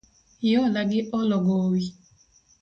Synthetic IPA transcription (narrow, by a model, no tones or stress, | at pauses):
jɔlaɡɪʔɔlɔɡowi